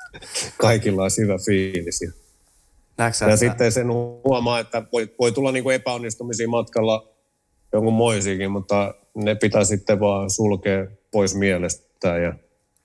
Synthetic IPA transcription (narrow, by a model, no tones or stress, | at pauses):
kɑikilːɑishyʋæfiːlisjɑ | jɑsit̪ːensenhuɑmɑːet̪ːæʋoiʋoit̪ulːɑniːŋkuepæonːist̪umisiːmɑt̪kɑlːɑ | joŋkummoisiːkimmut̪ːɑ | nepit̪æsit̪ːeʋɑːsulkeːpoismiɛlest̪ | æːjjɑ